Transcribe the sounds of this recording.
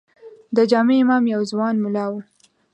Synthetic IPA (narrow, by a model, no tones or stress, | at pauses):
d̪əd͡ʒɑmeɪmɑmjawzwɑnmʊlɑwu